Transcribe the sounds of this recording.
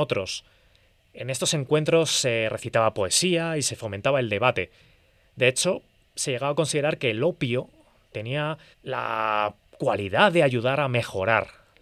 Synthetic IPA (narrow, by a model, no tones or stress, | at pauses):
ot̪ɾo̞s | e̞ne̞st̪o̞se̞ŋkwe̞nt̪ɾo̞sːe̞re̞θit̪aβapo̞e̞siaise̞fo̞mẽ̞nt̪aβae̞ld̪e̞β̞at̪e̞ | d̪e̞et͡ʃo̞ | se̞je̞ɣaβako̞nsið̞e̞ɾaɾke̞lo̞pjo̞ | t̪e̞nia | la̰ | kwalið̞aðe̞aʝuð̞aɾame̞xo̞ɾa̰ɾ